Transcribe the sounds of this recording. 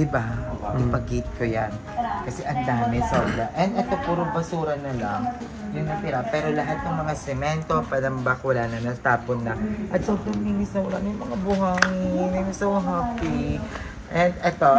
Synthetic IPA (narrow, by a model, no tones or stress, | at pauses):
d̪ɪbaoaɪpɐɡit̪̚kojan | kɐsɛʔɐnd̪aːmɪnsɐʊlaʔɛnd̪ʔɛt̪o̞puɾobɐsuːɾɐnɐlaŋ | jʊŋnɐp̪ɪɾapɛːɾo̞lɐɦat̪̚nɐŋmɐŋasɛmɛnt̪opaːɾɐŋbakɐwɐlanɐnɐt̪aːponːɐʔɐt̪soːbɾɐŋmiŋɪsnɐwɐlanjʊŋmɐŋabʊɦaŋnimɪsɐwɐɦaːpi | ʔɛnd̪̚ɛt̪o̞